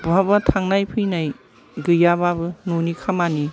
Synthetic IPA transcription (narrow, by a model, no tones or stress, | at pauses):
bʱabɐtʰaŋnajpʰɯjnaj | ɡɯjababɯnunikʰamani